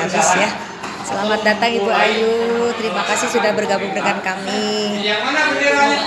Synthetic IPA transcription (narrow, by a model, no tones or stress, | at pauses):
abɪsja | səlamat̪̚dat̪aŋit̪uajut̪əɾimakasɪhsudahbərɡabʊŋdəŋankamiana